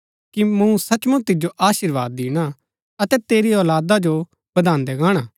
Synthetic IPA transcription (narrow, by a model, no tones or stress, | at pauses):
kimũsɐt͡ʃmũt̪ɪd͡ʒoʔaːʃɪɾʋaːd̪ɪːɽ̃a | ɐt̪ɛt̪eːɾiɔːlaːd̪ad͡ʒo | bɐd̪aːnd̪ɛɡãːɽ̃a